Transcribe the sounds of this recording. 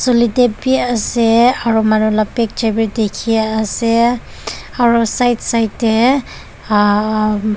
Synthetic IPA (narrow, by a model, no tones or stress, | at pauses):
solidepiaseaɹumanulapek̚d͡ʒajbiɹdekʰiaːse | aɹusajtsajtːe